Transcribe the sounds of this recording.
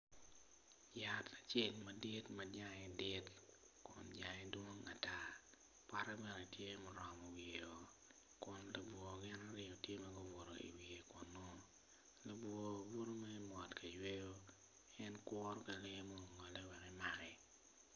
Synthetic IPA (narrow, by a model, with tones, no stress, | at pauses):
ja˨tʰa˨t͡ʃe˦˨lmɐ˨dɪ˦tmɐ˨d͡ʒa˦ŋɛ˨dɪ˦t | kʊ̰˨nd͡ʒa˨ŋɛ˦dwo˦ŋa˨ta˦ | pa˦ɾɛ˦bɛ˨no˨tje˦mɔ˨ɾɔ˨mɔ˨we˨o˨ | kʊ˨nlo˨bwo˨ɡɪ˦na˦ɾɪ˦o˨tje˦ma˦ɡʊ˦wo˨ɾo̰˨ḭ˨wi˨e˨kɔ˨nːo˦ | lo˨bwo˨wo˦ɾo˦mɛ˦mɔ˨tkʰa˨jwe˦ɡo˦ | ɛ˦nkwɔ˦ɾɔ˦ka˨lɪ˦mo˦ŋɔ˨lɛ˦wɛ˨kɛ˦ma˨ɡɛ˨